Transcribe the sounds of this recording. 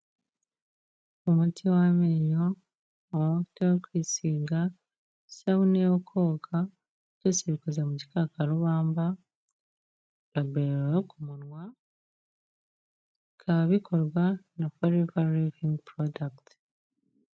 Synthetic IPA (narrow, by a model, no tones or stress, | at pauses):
umutʰiwameɲoː | tekwiːsiːɡa | saβunejokʰoːkʰa | cesiβikazamuɟi̥kakaɾuβaːmba | βabeɾeokumunwa | kʰaβikʰoɾwanafoɾivaɾiviŋɡpɾodakt